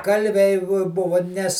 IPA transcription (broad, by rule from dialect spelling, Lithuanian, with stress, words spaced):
ˈkɐlʲʋʲɛɪ ʋoː ˈbʊʋʊ nʲɛs